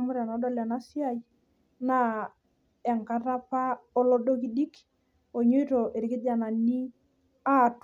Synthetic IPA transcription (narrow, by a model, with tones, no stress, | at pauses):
mʊ˦ɾa˨na˨˦dɔ˦la˨na˦si˦a˦i˨ | na˦ | ɛ˨ŋka˦ɾa˦pa˦ɔ˦lɔ˦ɗo˦ki˦ɗi˦k | o˨ɲo˦to˨ʔe˨ɾi˨kɪ˦da˨na˨ni˦ | a˦˨t